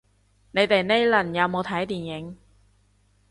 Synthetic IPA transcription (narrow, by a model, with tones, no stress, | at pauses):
ne˨˧jt̪e˨jne˥jlɐ˨˩njɐ˨˧wmo˨˧wt̪ʰɐ˨˥jt̪iː˨˩njɪ˨˥ŋ